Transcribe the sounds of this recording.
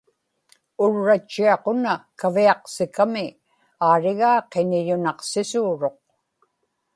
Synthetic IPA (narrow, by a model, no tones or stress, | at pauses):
ʊɻːat͡ʃːiɑqonakaviɑqsɪkamɪ | aːɻɪɣaːqenɪʎʊnɑqsɪsuːɻo̞q̚